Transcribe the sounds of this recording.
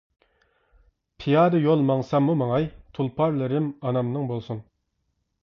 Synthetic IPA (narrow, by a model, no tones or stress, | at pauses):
pʰijɑːd̪ɨjolˠmɑŋsɑmːumɑŋɑjt̪ʰulˠpʰɑɾlˠɨɾɪmɑnɑmnɨŋbolˠsun